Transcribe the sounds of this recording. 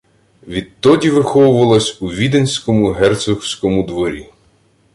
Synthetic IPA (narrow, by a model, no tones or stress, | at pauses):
ʋʲid̪̚t̪ːɔdʲiʋɪxɔwʊʋɐlˠɔsʲuʋʲid̪enʲsʲkɔmʊɦɛrt̪sʊxwsʲkɔmʊd̪ʋɔɾʲi